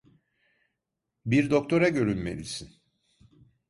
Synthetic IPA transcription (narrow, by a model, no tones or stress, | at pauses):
biɾd̪o̞k̚t̪ʰo̞ɾaɟø̞ɾylʲme̞̰lḭsin